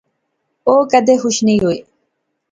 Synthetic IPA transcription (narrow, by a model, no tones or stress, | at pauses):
oːkad̪eɦʊʃnɪjuj